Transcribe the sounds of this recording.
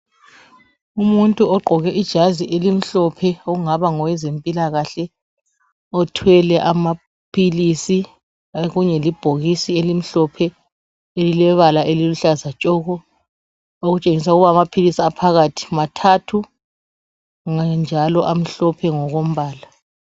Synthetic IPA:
umuntʼuɔɡ͡ǃʱɔɣɛʔid̥ʒ̥ʱaziʔelim̩ɬɔpʰɛɔuŋaβaŋɔwɛzempʼilaɣaɬɛ | ɔtʰwɛlɛʔama | pʰilisi | ɣuɲɛlib̥ʱoɣisielim̩ɬɔpʰɛ | elilɛβalaʔeliluɬazat͡ʃʼɔːɣɔ | oɣut͡ʃʼeŋisauɣuβamapʰilisiapʰaɣatʰi̥matʰatʰu | ŋand͡ʒʱalɔʔam̩ɬɔpʰɛŋɔɣom̩βaːla

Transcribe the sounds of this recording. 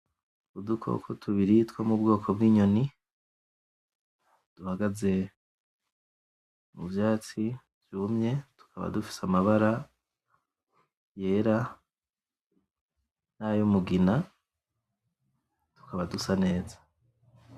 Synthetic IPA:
udukʰo̰kʰotʰuβiɾitwomubɡo̞ːkʰo̞b̚ɡiːɲo̞ni | d̥uhaɡaze̞ | mṵvjaːt͡si | vjumɲe̞tu̥kʰaβa̰dufi̥samaβaɾa | je̞ːɾa | najomuɡina | tu̥kaβadusane̞ːzḁ

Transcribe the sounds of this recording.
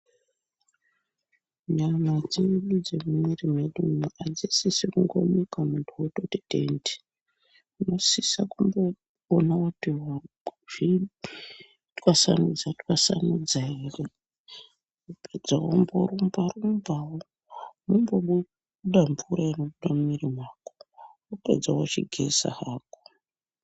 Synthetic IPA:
ɲamad͡zeɗud͡ze̞mumwerimeɗumʔad͡zisisikuŋɡo̰ɲikamuntʰuototidendi̥ | uno̞sisakumbo | onaotiɦa | ʐ̥i | twasa̰nud͡zatwasanud͡zaire | uped͡zawomboɾumbarumbawo | mumboɓu | ɗaɱvuɾaino̞ɓuɗamumiɾimwaːko | upḛd͡zawot͡ʃiɡʱesa̰haːko̥

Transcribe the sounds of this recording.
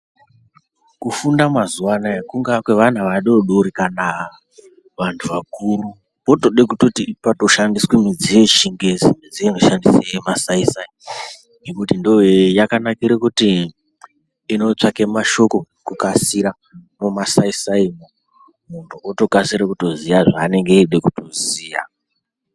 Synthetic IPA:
kufundamazuwanaekuŋɡakweʋan̤uʋaɗoɗoɾikana | ʋantʰuʋakuru | po̞toɗek̬uto̞tipato̞ʃandiswemid͡zije̞ʃiŋɡezimid͡zienoʃandisejemasaisai | nekutindowejakanakiɾekuti | no̞t͡ʂakemaʃo̞ko̞ | kukasiɾa | mumasaisaimo | muntʰuoto̞kasiɾakuto̞zijaʐaːne̞ŋɡeɗekutoziːja̰

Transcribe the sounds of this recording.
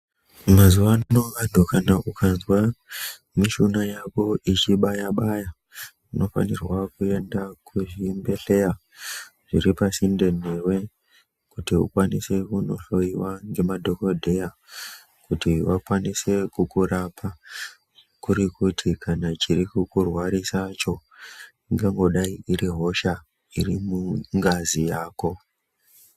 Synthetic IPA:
mazuʋannoʋandʱokanaʔukʰanzwa | miʃunajako̞it͡ʃiɓajaɓaja | ino̞fa̰nirwakue̞ndakʰuʐimbe̞ɬe̞ja | ʐ̥iɾipasinde̞ne̞rwe̞ | kutiṵkwanisekuno̞̰ɬo̞iwaŋɡe̞madʱo̞ko̞dʱe̞ja | kutiʋakwanise̞kukurapʰa | kuɾikutʰikʰanat͡ʃiɾikukurwaɾisat͡ʃo̞ | ŋɡaŋɡo̞ɗaiiɾiɦo̞ʃa | irimuŋɡazijaːko̞

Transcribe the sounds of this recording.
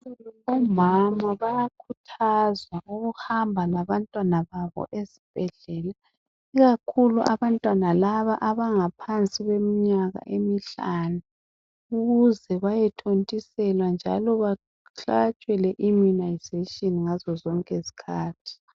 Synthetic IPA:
uluβɔmamaβajakʰutʰazwaʔuɣuhambʱalaβantʼwanaβaβɔ̰ʔezib̥ʱɛɮɛla | iɣakʰuluʔa̰βantʼwanalaβaʔaβaŋapʰant͡sʼiɣemiɲaɣa̰ʔemiɬanu | uɣuzɛβajɛtʰontʼisɛlwand͡ʒʱa̰lɔβa | ɬaɣat͡ʃʼwɛlɛʔimunajzetʼɔniŋazɔzɔŋkʼezi̥kʰaːtʰi̥

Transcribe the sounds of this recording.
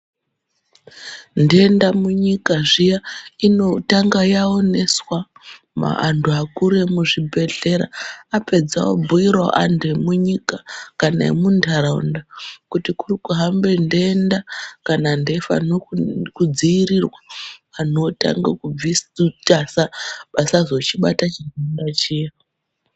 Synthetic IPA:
nde̞ndamuɲikaʐijaino̞taŋɡajaone̞swa | ma̰antuakuɾe̞muʐibʱe̞ɮe̞ɾa̰ape̞d͡zawo̰bʱuiɾwa̰ʔantuemuɲikakana̰ḛmundʱaɾaṵndakutikurikuɦambendeːndakanande̞fa̰nokud͡ziiɾirwaanota̰ŋɡakub͡vistasaɓasazot͡ʃiɓa̰tat͡ʃinandat͡ʃeja

